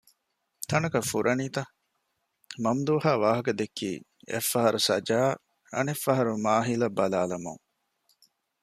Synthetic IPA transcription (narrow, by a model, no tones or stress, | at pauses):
t̪ʰɐnɐkɐfuɾʔɐniːt̪ɐ | mɐmd̪uːhaːʋaːɦɐkɐd̪ekʰːḭː | ḛfːɐɦɐɾusɐd͡ʒaː | ɐ̰nefːɐɦɐɾumaːɦilɐbːɐlaːlɐmṵŋ